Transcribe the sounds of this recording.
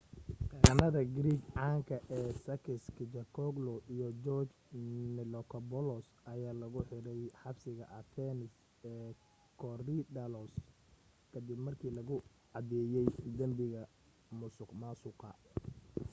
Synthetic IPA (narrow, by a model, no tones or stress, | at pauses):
qɛnɐðɐɡɾiːɡʕɑːŋkʰɐʔɛːsɐkɪskʰɪt͡ʃɐkʰɔɡlɔʔijɔd͡ʒɔːrt͡ʃ | nɪlɔkʰɐbɔlɔsʔɐjaːlɐɣʊħɪɾɛjħɑbsɪɣɐʔɐt̪ʰɛnɪs | ɛː | kʰɔrid̪ɐlɔs | kʰɐd̪ɪbmɐrkʰiːlɐɣʊ | ʕɑd̪ɛːjɛjd̪ɐmbɪɣɐ | mʊsʊqmasʊqɑ